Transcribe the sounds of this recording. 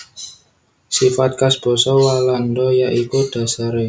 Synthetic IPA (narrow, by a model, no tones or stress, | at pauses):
sifat̪̚kasb̥ɔ̤sɔwalandɔjaʔikud̥a̤saɾe